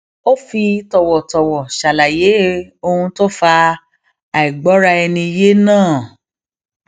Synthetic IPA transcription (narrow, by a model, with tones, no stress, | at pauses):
o˦fi˧tɔ˨wɔ˨tɔ˨wɔ˨ʃa˨la˨je˨˦o˧hũ˧to˦fa˧ | a˨i˨ɡ͡bɔ˨˦ɾa˧ɛ˧nĩ˧je˦nãː˦˨